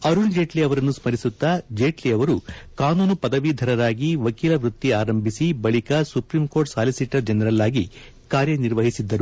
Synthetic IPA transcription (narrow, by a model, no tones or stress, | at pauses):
ɐɾuld͡ʒe̞ːʈliɐʋɐɾɐnːusmɐɾisut̪ːɐd͡ʒeːʈliɐʋɐɾukaːnuːnupɐd̪ɐʋid̪ʱɐɾɐɾaːɡiʋɐkiːlɐʋɾut̪ːiaːɾɐmbʱisibɐɭikɐsupɾiːmko̞ːɾʈsaːlisiʈɐɾd͡ʒɐnɐɾɐlːaːɡi | kaːɾjɐniɾʋɐɦisid̪ːɐɾu